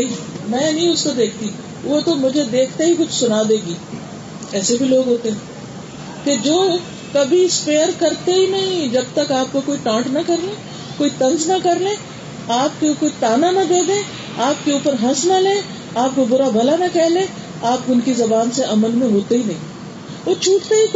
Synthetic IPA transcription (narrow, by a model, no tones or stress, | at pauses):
nɐɦĩmɛ̃ːnɐɦĩʊskod̪eːkʰt̪i | ʋot̪omʊd͡ʒʱed̪eːkʰt̪eɦikʊt͡ʃʰsʊnaːd̪ẽːɡiː | ɛːsebʱiloːɡɦoːt̪eɦɛ̃ | ked͡ʒoː | kɐbʱiɪspeːəɾkɐɾt̪eɦinɐɦĩd͡ʒɐb̚t̪ɐkaːp̚kokoːiʈãːʈnɐkɐɾlẽː | koːit̪ɐ̃nznɐkɐɾlẽː | aːp̚kekoːit̪aːnanɐd̪eːd̪ẽː | aːp̚keuːpəɾɦɐ̃snalẽː | aːp̚kobʊɾabʱɐlanɐkɛɦlẽː | aːpʊnkizɐbaːnseʔɐməlmẽɦoːt̪eɦinɐɦĩ | ʋot͡ʃʰuːʈt̪eɦi